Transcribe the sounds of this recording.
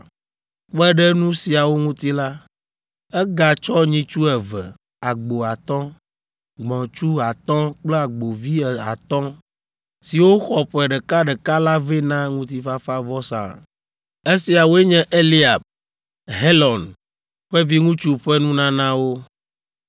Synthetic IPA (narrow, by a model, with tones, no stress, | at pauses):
ɸɛ˦ɖɛ˦nũ˦si˨a˨wo˦ŋũ˦t̪i˦la˦ | ɛ˦ɡa˨t͡ʃɔ˦ɲĩ˦t͡ʃu˦ɛ˨vɛ˨ | a˨ɡ͡bo˨a˨t̪ɔ̃˦ | ɡ͡bɔ̃˨t͡ʃu˦a˨t̪ɔ̃˦k͡plɛ˦a˨ɡ͡bo˨vi˦ɛ˨a̰˨t̪ɔ̃˦ | si˨wo˦xɔ˨ɸɛ˨ɖɛ˨ka˦ɖɛ˨ka˦la˦ve˦nã˦ŋũ˦t̪i˦fa˦fa˦vɔ˦sã̰˨ | e˦si˨a˨wo˦ɛ˦ɲɛ̃˦ʔe˦li˦a˨b̚ | ɦe˦lɔ̃˨n | ɸɛ˦vi˦ŋũ˦t͡ʃu˦ɸɛ˦nũ˦nã˦nã˦wo˦